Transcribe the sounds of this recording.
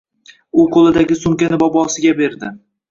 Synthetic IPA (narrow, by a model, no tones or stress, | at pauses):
ʊqʰolˠɪd̪aɡʲɪsʊmkʲanɪbɒbɒsɪɡʲabe̞ɾd̪ɪ